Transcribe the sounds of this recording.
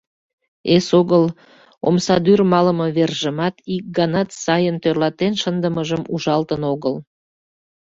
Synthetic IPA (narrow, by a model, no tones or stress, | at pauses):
esoɣəl | o̰msɑd̪yrmɑləməβerʒəmɑt̪ik̚ɡɑnɑt̪sɑjənt̪ørlɑt̪enʃənd̪əməʒəmuʒɑlt̪ənoɣəl